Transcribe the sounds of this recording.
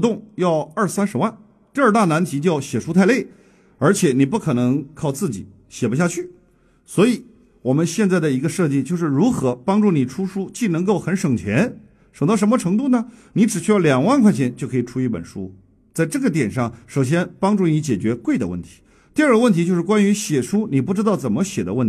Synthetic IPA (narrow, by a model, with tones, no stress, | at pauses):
t̪ʊ˥˧ŋjɑ˥˧ʊə˞˥˩sa˥nʂɻ̩˧˥wa˥˩n | t̪i˥˧ə˞˥˧t̪a˥˩na˧˥nt̪ʰi˧˥t͡ɕjɑ˥˩ʊɕjɛ˨˩ʂu˥t̪ʰa˥˧ɪle˥˩ɪ | ə˞˧˥t͡ɕʰjɛ˨˩ni˨˩p̬u˥˩kʰɤ˨˩nɤ˧˥ŋkʰɑ˥˧ʊt͡sɹ̩˥˩t͡ɕḭ˨˩˦ | ɕjɛ˨˩pu˧˥ɕja˥˧t͡ɕʰy˥˩ | swɔ˧˥i˧˩ | wɔ˨˩mə˦nɕjɛ˥˧nt͡sa˥˩ɪd̪ə˩i˧˥ɡə˧ʂɤ˥˧t͡ɕi˥˧t͡ɕjo˥˧ʊʂ̬ɻ̩˥˩ɻu˧˥xɤ˧˥pɑ˥ŋʈ͡ʂu˥˩ni˨˩ʈ͡ʂʰu˥ʂu˥t͡ɕi˥˩nɤ˧˥ŋko˥˩ʊxə˧˥nʂɤ˨˩ŋt͡ɕʰjɛ˧˥n | ʂɤ˨˩ŋt̪ɑ˥˩ʂ̬ə˧˥mə˧ʈ͡ʂʰɤ˧˥ŋt̪̬u˥˩nə˩ni˧˥ʈ͡ʂɻ̩˨˩t͡ɕʰy˥jljɑ˨˩ŋwa˥˧nkʰwa˥˧ɪt͡ɕʰjɛ˧˥nt͡ɕjo˥˩ʊkʰɤ˧˥i˨˩ʈ͡ʂʰu˥i˥˩pə̰˨˩nʂṵ˥ | t͡sa˥˧ɪʈ͡ʂɤ˥˩ɡə˩t̪̬jɛ˨˩nʂɑ˥˩ŋʂo˨˩ʊɕ̬jɛ˥npɑ˥ŋʈ͡ʂu˥˩ni˧˥t͡ɕjɛ˨˩t͡ɕɥɛ˧˥kwe˥˩ɪd̪ə̰˩˧wə̰˥˩nt̪ʰi̥˧˥ | t̪i˥˧ə˞˥˩ɡə˧wə˥nt̪ʰi˧˥t͡ɕjo˥˧ʊʂɻ̩˥˩kwa˥ny˧˥ɕjɛ˨˩ʂu˥ni˨˩p̬u˥˩ʈ͡ʂɻ̩˥t̪ɑ˥˩ʊt͡sə˨˩nmə˦ɕjɛ˨˩d̪ə̰˦wə̰˥˩